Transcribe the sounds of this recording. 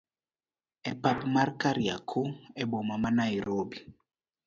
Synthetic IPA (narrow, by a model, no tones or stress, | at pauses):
ɛpapmarkaɾia̰kʰoɛbɔmamanaiɾobi